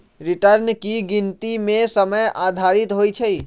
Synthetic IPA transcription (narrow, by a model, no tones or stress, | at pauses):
ɾɪʈəɾnkiɡɪ̃nt̪imẽsəməjaːd̪ʱaːɾɪt̪ɦoːit͡ʃʰɛi